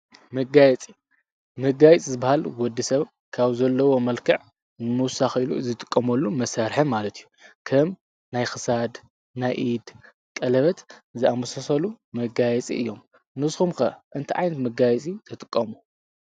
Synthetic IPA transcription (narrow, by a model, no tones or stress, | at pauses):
mɐɡajɛt͡sʼi | mɐɡajɛt͡sʼizɨbahalwɔd̪ːisɐβ | kʰaβzɐlːɐwo̞mɐlkʰɐʕ | nɨmɨwsaxilṵzɨt̪ʼɨkʼːɐmɐlːumɐsaɾħɐmalɐt̪ʰijukʰɐm | najxɨsad̪ | najʔid̪ | kʼɐlɐβɐt̪zɨamɐsɐsɐlu | mɐɡajɛt͡sʼḭʔɨ̰jːo̞m | nɨsxumkɐʔɨnt̪ʰiʕa̰jnɐt̪mɐɡajɛt͡sʼit̪ʰɨt̪ʼɨkʼːɐmu